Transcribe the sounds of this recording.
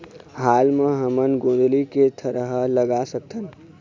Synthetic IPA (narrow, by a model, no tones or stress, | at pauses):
ɦaːlmə̃ɦəmənɡõːnd̪liket̪ʰəɾəɦləɡasək̚t̪ən